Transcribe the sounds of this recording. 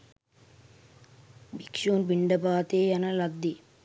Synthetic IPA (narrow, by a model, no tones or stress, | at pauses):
bikʂoːnbiɳɖɐbaːt̪eːjɐnɐlɐd̪ːi